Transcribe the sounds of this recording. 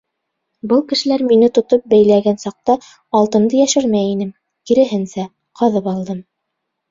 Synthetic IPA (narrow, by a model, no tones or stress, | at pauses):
bɤlˠkɘ̆ʃɘ̆læɾminɘt̪ŏt̪op̚bæjlæɡænsɑq̚t̪ɑː | lˠt̪ɤ̆nd̪ɤjæʃɘɾmæjinɘm | kiɾɘ̆ɦɘnsæ | qʰɑðɤpɑlˠd̪ɤm